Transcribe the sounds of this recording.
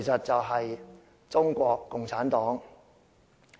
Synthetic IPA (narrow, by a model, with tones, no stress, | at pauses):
jsɐ˨t̚t͡sɐ˨wɦɐ˨j | t͡sʊ˥ŋkʷɔː˧kːʊ˨ŋt͡sʰaː˨˥nt̪ɔː˨˥ŋ